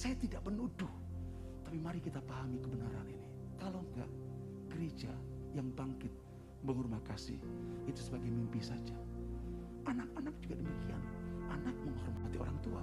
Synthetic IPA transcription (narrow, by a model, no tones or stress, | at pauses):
sajat̪idaʔpənudʊh | t̪apimaɾikit̪apaɦamikəbənaɾa̰nini | kaloŋɡa̰ʔ | ɡ̥əɾed͡ʒa | jaŋbaŋkɪt̪̚ | məŋurmakasɪ̰hit̪usəbaɡajmimpisad͡ʒa | ʔanak̚anak̚d͡ʒuɡadəmikia̰nʔanak̚məŋhɔrmat̪io̰ɾaŋt̪ua̰